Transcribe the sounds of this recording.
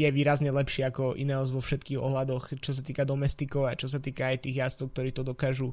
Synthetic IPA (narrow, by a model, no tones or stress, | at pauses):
jɛʋiːɾazɲɛlɛpʃɪɛakɔʔḭnɛɔzʋɔfʃɛt̪kiːɣɔ̰ɦlad̪ɔxt͡ʃɔs̬at̪iːkad̪ɔmɛst̪ikɔʊat͡ʃɔsat̪iːkaːjt̪iːɣjast͡sɔʊk̚t̪ɔɾiːt̪ɔd̪ɔkaːʒu